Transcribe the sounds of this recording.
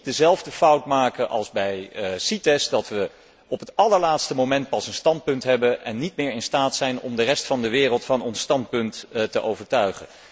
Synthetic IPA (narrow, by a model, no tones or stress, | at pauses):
dəzɛlˠvdəfʌwtmaːkəʔɑ̰lˠzbɛjsitɛsdɑtʋə | ɔpɦətɑləɹlaːtstəmowmɛnt̚pɑsənstɑnt̚pɵntɦɛbənʔɛnːitmɪːɹɪnstaːtsɛjnɔ̰mdərɛstfɑndəʋɪːrəlˠtfɑnɔnstɑnt̚pɵnttəʔowvəɹtœɥχə̰n